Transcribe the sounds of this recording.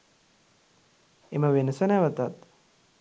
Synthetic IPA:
eməʋenəsənɛʋət̪at̪

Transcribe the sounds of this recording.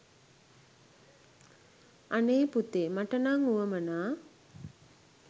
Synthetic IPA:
aneːput̪emaʈənaŋuʋəmənaː

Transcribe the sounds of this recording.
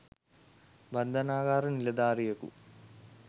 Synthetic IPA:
bɐnd̪ʱɐnaːɡaːɾɐnilɐd̪aːrijɐkṵ

